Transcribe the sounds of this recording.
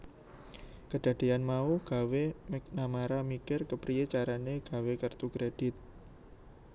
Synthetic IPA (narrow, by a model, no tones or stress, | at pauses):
kəɖ̥a̤d̥e̤anmauhɡ̥a̤wemɛk̚namaɾamikɪrkəpɾijet͡ʃaɾaneɡ̥a̤wekərt̪ukɾed̥ɪt̪̚